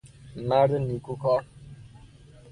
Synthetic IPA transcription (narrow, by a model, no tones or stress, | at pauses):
maɾɪnikukɔ